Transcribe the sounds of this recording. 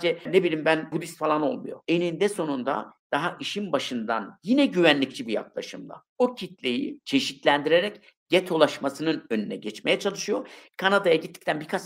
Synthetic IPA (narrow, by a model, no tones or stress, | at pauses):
d͡ʒɛnebilʲimbænbud̪ist̪falˠano̞lˠmujo̞̰enind̪ɛso̞nund̪a̰d̪̥aɦaʔiʃinbaʃɯnd̪a̰njinɛɟyβænlʲic̚t͡ʃʰibija̰k̚lˠa̰ʃɯmd̪a̰ | ocʰit̪lʲe̞jḭt͡ʃʰe̞ʃit̪lʲænd̪iɾeɾɛc | ɟɛt̪ʰo̞lˠaʃmasɯnɯnø̞nynɛɟɛt͡ʃme̞jɛt͡ʃʰalˠɯʃɯjokʰanad̪ajaɟit̪ʰːi̥c̚t̪ʰænbikʰat͡ʃ